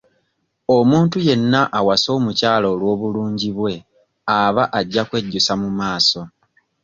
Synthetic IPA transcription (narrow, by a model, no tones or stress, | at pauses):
o̞muːntuje̞nːaʔawaso̞ːmucaːloːlwo̞ːβuluːɲɟiβwe̞ | aβaʔaɟːakwe̞ɟːusamumaːso̞